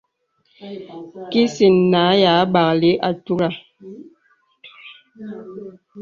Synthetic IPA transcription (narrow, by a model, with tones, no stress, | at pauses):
ki˦si˨nːa˨˦jaː˨˦ba˨kli˦ʔa˨tu˦ɾa˦˨